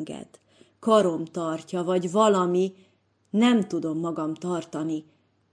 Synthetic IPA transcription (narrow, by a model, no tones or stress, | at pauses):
ɡɛ̰d̪̥ | kɒɾo̞mt̪ɒrcɒvɒɟvɒlɒmi | nɛmt̪ud̪o̞mːɒɡɒmt̪ɒrt̪ɒni